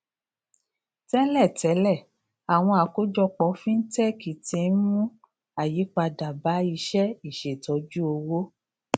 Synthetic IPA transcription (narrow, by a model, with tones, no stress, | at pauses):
tɛ˦lɛ˦˨tɛ˨˦lɛ˦˨ | a˨w̃ɔ̃˧a˨ko˦d͡ʒɔ˧k͡pɔ˨˦fĩ˦n̩˦tɛ˦˨ki˨ti˧˦n˦mũ˦ | a˨ji˨˦k͡pa˧da˨ba˨˦i˧ʃɛ˦i˨ʃe˨tɔ˨˦d͡ʒu˦o˧wo˦